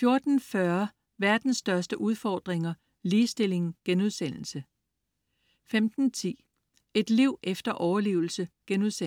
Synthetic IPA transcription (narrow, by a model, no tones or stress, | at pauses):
fjo̝ɐd̥n̩fɶɐ | ʋæɐd̥n̩sd̥ɶɐsd̥əʔuð̞ˠfɒːd̥ʁeŋɐ | liːsd̥e̝le̝ŋ̩ɡ̥enuð̞ˠsen̰l̩sə | femd̥n̩t͡sʰḭː | e̝d̥liʊ̰ʔefd̥ɐʔɒʊɐlḭːʊl̩səɡ̥enuðˠse